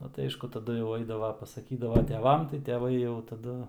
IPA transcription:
ˈnʊ tɐɪ ˈɐɪʃkʊ tɐˈdʊ jɛʊ ˈɐɪdɐʋɐ pɐsɐˈkʲiːdɐʋɐ tʲɛˈʋɐm tɐɪ tʲɛˈʋɐɪ jɛʊ tɐˈdʊ

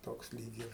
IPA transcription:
ˈtoːks ˈlʲiːk ɪr

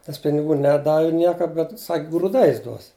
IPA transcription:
nʲɛs pʲɪnʲɪˈɡuː ˈnʲæːˈdɑːʋʲɪ ˈnʲiɛkɐ bʲɛt sɐkʲ ɡruːˈdɐɪs ˈduɔs

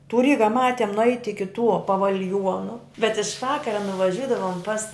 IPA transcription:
tʊ ˈrʲiːɡɐ ˈmɑːtʲiɛm nʊˈɛɪtʲ ɪkʲɪ tuɔ pɐʋɐlʲˈjuɔnʊ bʲɛt ɪʃ ˈʋɑːkɐrɐ nʊʋɐˈʒʲʊdɐʋoːm pɐs

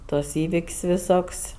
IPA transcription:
ˈtuɔs ˈiːʋʲɪkʲsʲ ʋʲɪˈsoːkʲsʲ

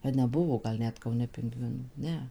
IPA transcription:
ɐ nʲɛˈbʊʋoː ɡɐlˠ ˈnʲɛt kɐʊˈnʲɛ pʲɪŋˈɡʋʲɪnuː ˈnʲɛ

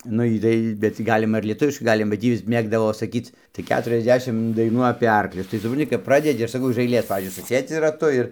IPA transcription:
nʊ ˈjiː tɐɪ bʲɛt tʲiː ˈɡɑːlʲɪmɐ ɪr lʲiɛˈtʊʋʲɪʃkɐɪ ˈɡɑːlʲɪmɐ bɐ ˈtʲiː ˈjɪs ˈmʲeːɡdɐʋoː sɐˈkʲiːt͡s tɐɪ ˌkʲæːtʊrʲɛzʲˈdʲæːʃʲɪm dɐɪˈnuː ɐpʲeː ˈɐrklʲʊs tɐɪ sʊprɐnʲˈtʲɪ kɐp ˈprɑːdʲɛdʲɪ ɐʃ sɐˈkɐʊ ɪʃ ɐɪˈlʲeːs pɐʋʲiːzʲd͡ʒʲʊɪ sʊˈsʲeːd͡zʲɪ rɐˈtʊ ɪr

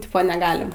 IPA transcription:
ˈtʲɪpoː nʲɛˈɡɑːlʲɪm

